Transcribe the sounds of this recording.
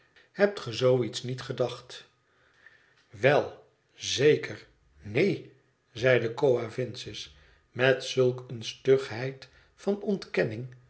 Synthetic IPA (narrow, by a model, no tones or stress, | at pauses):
hɛp̚tχəzowitsnitχədɑχt | ʋɛlˠ | zejkʰəɹ | nej | zɛjdəkowavɪnsɪs | mɛtsɵlˠkənstøχɦɛjt | fɑnɔntkɛnɪŋ